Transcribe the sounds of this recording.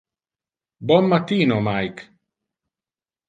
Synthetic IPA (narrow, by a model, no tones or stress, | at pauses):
bɔmːat̪iːnomajk